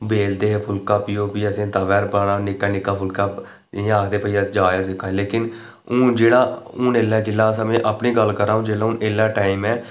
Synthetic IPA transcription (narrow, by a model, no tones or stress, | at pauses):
beːld̪eːpʰʊlkaːpɪjõːpiːəsẽːt̪aːʋɛːɾbaːɽaːnɪkːaːnɪkːaːpʰʊlkaː | aːkʰd̪eːpəiːəsd͡ʒaːjaːsɪkːaːleːkɪn | ʊ̃ːd͡ʒeːɽaːʊneːlaːd͡ʒɪlaːsãːmẽːʔapniːɡəlkəɾaːũːd͡ʒeːlaːʊnʔeːlaːʈaːɪmɛː